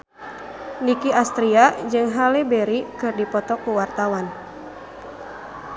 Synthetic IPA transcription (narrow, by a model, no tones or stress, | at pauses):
nikiast̪ɾiad͡ʒɨŋɦalɛbɛɾikɨrdipɔt̪ɔkuwart̪awan